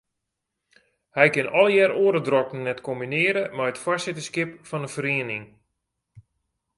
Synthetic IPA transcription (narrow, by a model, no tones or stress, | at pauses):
hɛjkɪnɔlˠjɛɾoːɾədrɔkn̩nɛtkombinɪəɾəmɛjətfasɪtəskɪpfɔnəfəɾiənɪŋ